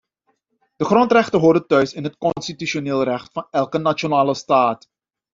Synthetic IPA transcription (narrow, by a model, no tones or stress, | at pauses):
d̥əχrɔntrɛχtənɦʊːrdətœɥsɪnɦətkɔnnstityʃoneːlˠrɛχtfɑnɛlˠkənat͡ʃonaːləstaːt